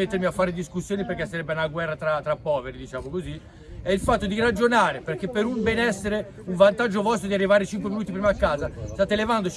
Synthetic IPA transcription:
et̪ːeɾmiafːaːɾed̪iskusːjoːniperk̟esːaɾɛbːeunaɡwɛrːat̪ɾat̪ɾapːɔːveɾid̪it͡ʃaːmokozi | ɛilfat̪ːod̪iɾad͡ʒonaːɾeperk̟epːeɾumbɛnɛsːeɾe | uɱvant̪ad͡ʒːovɔst̪od̪iarːivaːɾet͡ʃiŋkweminuːt̪ipɾimakːaːzast̪aːt̪elevand̪ot͡ʃ

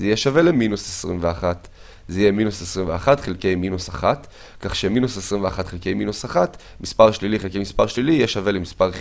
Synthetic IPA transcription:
zijeʃave̞leminusesʁimveaχat | zeijeminusesʁimveaχatχelke̞jminusaχat̪ | kaχʃeminusesʁimveaχatχelkejminusaχat̪ | mispaʁʃliliχelkejmispaʁʃlilijeʃave̞lemispaʁχ

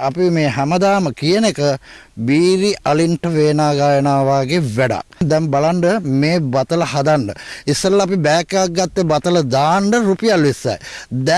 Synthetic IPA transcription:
apimeːɦæməd̪aːməkijənekəbiːɾiʔʔaliɳʈəʋeːnaːɡaːjənaːʋaːɡeʋæɖa̰kd̪ɛmbalaɳɖəmeːbat̪ələhad̪aɳɖə̰isːəɾlːpibɛkːeak̚ɡːat̪ːebat̪ələd̪aːɳɖəɾupijalʋisːa̰jd̪ɛ

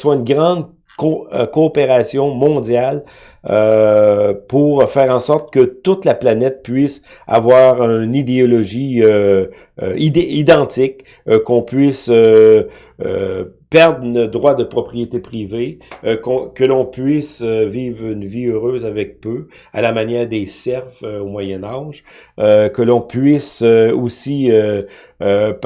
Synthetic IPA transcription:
swaynɡʁɑ̃d̪ | kokoːpeʁasjɔ̃mɔ̃d̪d͡zjal | ø | puʁfɛːʁɑ̃sɔʁt̪̚kət̪ʊt̪laplanɛt̪̚pɥɪs | a̰vwaːʁynid̪eɔlɔʒiø̰ | iid̪ɑ̃t̪ɪk | kɔ̃pɥɪsø | ø̰pɛʁd̪ʁnəd̪ʁwad̪əpʁɔpʁijet̪epʁivekɔ̃kəlɔ̃pɥɪsøviːvʁynviøʁøːzavɛk̚pø | a̰lamanjɛːʁd̪esɛʁfvøomwajɛnaːʒ | økəlɔ̃pɥɪsøosiø

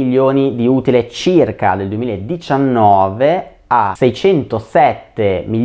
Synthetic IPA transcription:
ʎːoːnid̪iuːt̪ilet͡ʃirka̰d̪eld̪uwemiːlaed̪it͡ʃanːɔːve | asɛjt͡ʃɛnt̪osɛt̪ːemi

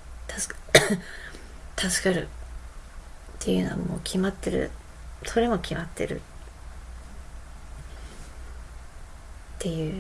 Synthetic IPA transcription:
t̪as | t̪ʰasɨ̥kaɾɯ̟ | t̪ʰːe̞jɯ̟no̞βa̰mo̞ːkʲʰimat̪ːe̞ɾɯ̰ | so̞ɾe̞mo̞kʲimat̪ʰːe̞̰ɾɯ̰ | t̪ʰːe̞jɯ̟ː

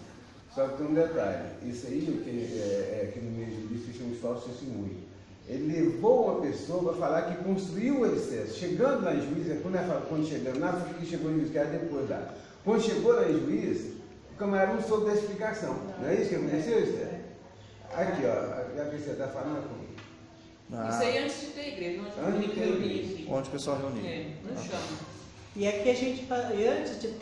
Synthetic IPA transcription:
sɔkɪt̪ẽũd̪et̪a̰ʎɪ̰isɐikeɛɛkɪnʊmejʒuvisfiseũist̪ɔsisĩmṵ̃j̪̃ | elɪlevowũmɐpesoɐpɾɐfalaɾkɪkõst̪ɾuiwʊesɛsʊ̥ʃeɡɐ̃nd̪ʊnɐĩʒuizɐkɐ̃d̪ɛɾfalakwɐ̃nd̪ʊʃeɡɐ̃nd̪nafĩk̪kɪʃeɡoĩuiskad̪epojzd̪a̰ | kwɐ̃nd̪ʊʃeɡonɐĩʒuizɐ | ʊkɐ̃nɛɾɐũsold̪eʃplikasɐ̃w̃nɐ̃ɛisʊ̥kewkõt̪esewisɛ̰ | akiɔ̰a̰aveseɾɐt̪afalɐ̃d̪ɐkõ̰mḭɡ | isaiɐ̃t͡ʃɪzd͡ʒɪt̪ẽiɡɾeʒnɐ̃ɐ̃t͡ʃɪd͡ʒɪt̪ẽiɡeĩõd͡ʒpesuawɦeunḭɛnɐ̃ʃɐ̃mɐ | iɛkiɐʒẽnt͡ʃɪ̥faiɐ̃t͡ʃɪzd͡ʒɪ

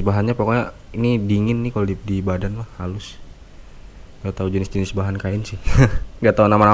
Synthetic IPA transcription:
baɦanɲapakoɲa | inidiŋɪnːɪhkalodip̚dibadanlahhalʊs | kaat̪aud͡ʒənɪsd͡ʒənɪsbaɦankaɪnsɪhŋɡat̪aunamana

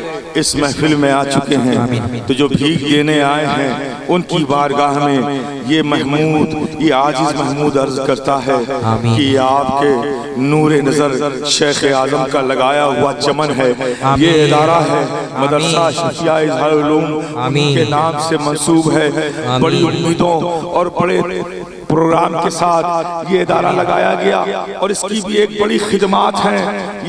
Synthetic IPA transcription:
ɪsmɛɦfɪlmẽaːt͡ʃʊkeɦɛ̃t̪od͡ʒoːbʱiːkd̪eːneaːeɦɛ̃ | ʊnkibaːɾɡaːɦmẽ | jemɛɦmuːd̪jeaːd͡ʒɪzmɛɦmuːd̪ɐɾzkɐɾt̪aɦɛkiaːpke | nuːɾenɐzəɾʃeːxeaːzəmkalɐɡaːjaɦʊat͡ʃɐmənɦɛːjeɪd̪aːɾaɦɛmɐd̪əɾsaʃʊkɪjaɪzɦaːʊluːmkenãːmsemɐ̃nsuːbɦɛbɐɽiʊmːiːd̪õɔːɾbɐɽe | pɾoːɡɾaːmkesaːt̪ʰjeɪd̪aːɾalɐɡaːjaɡɐja̰ɔːɾɪskibʱieːk̚bɐɽixɪd̪maːt̪ɦɛ̃

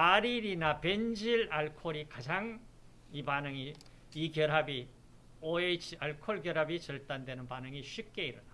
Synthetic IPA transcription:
aɾiɾinape̞nd͡ʑiɭaɭkʰoɾikad͡ʑaŋ | ipanɯŋi | ikjʌɾɦabi | oet͡ɕʰiaɭkʰoɭɡjʌɾɦabit͡ɕʌɭt͈andwenɯnpanɯŋiɕʰɥip̚k͈e̞iɾɯna

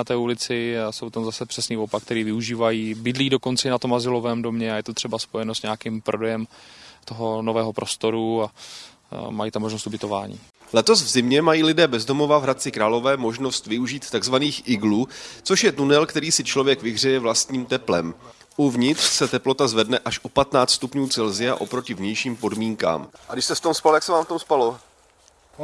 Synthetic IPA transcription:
at̪ɛːulɪt͡sɪso̞wt̪amzasɛpr̥ɛsniːvopakt̪ɛɾiːvɪuʒiːvajiːbɪdliːdo̞ko̞nt͡sɛɪnat̪omazɪlovɛːmdo̞mɲɛajɛt̪ot̪r̥ɛbaspo̞jɛnosɲaakimpɾo̞dɛjɛmt̪oɦo̞novɛːɦo̞pɾʔo̞st̪o̞ɾua | majit̪amːoʒnost̪ubɪt̪o̞vaːɲḭː | lɛt̪o̞svzɪmɲɛmajiːlɪdɛːbɛzdo̞mo̞vavɦɾat̪̚t͡sɪkɾaːlo̞vɛːmo̞ʒno̞st̪vɪuʒiːt̪ːaɡzvaniːxʔɪɡluːt͡so̞ʃjɛt̪unɛlkt̪ɛɾiːsɪt͡ʃlo̞vjɛkvɪɦr̝ɛjɛvlast̪ɲiːmt̪ɛplɛ̰m | ʔuvɲɪt̪r̥sɛt̪ɛplo̞t̪azvɛdnɛʔaʃʔo̞pat̪naːt͡st̪st̪upɲuːt͡sɛlzɪa̰ʔo̞pɾo̞cɪvɲɛjʃiːmpo̞dmiːŋka̰ːmʔaɡdɪʃst̪ɛft̪omspalt̪aksɛvaːmft̪omspalo

